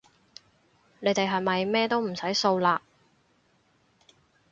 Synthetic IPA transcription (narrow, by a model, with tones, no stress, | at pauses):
ne˨˧jt̪e˨jɦɐ˨jmɐ˨jmɛː˥t̪o˥wm̩˨˩sɐ˨˥jso˧wlaː˧